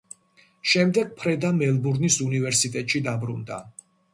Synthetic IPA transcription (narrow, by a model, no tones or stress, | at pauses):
ʃɛmd̪ɛɡ̚pʰɾɛd̪amɛlˠbuɾnisunivɛɾsit̪ʼɛt̪ʼʃid̪abɾund̪a̰